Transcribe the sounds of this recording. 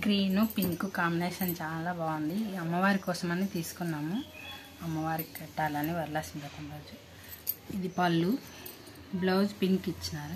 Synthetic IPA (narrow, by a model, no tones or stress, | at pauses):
ɡɾiːnupiŋkukaːmbineːʃɐnt͡ʃaːlaːbaːɡund̪iɐmːɐʋaːɾikɔːsɐmɐnːit̪iːsu̥kunːaːmu | ɐmːɐʋaːɾikɛʈːaːlɐniʋɐɾlaːsiɲpɐt̪ɐmɾoːd͡ʒu | id̪ipɐlːu | bloːd͡ʒpiŋkit͡ʃːinaːɾu